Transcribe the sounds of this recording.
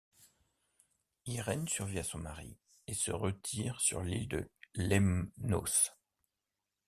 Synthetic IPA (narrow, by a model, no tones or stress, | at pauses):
iʁɛnsyʁviasɔ̃maʁḭ | esəʁət̪ʰiʁsy̰ʁlild̪əlɛmno̰s